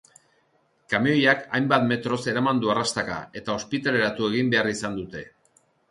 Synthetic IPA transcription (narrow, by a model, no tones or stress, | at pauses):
kameojakajmbat̪me̞t̪ɾo̞se̞ɾamand̪uarast̪aka̰e̞t̪ao̞spit̪ale̞ɾat̪ue̞ɣimbe̞arisand̪ut̪e̞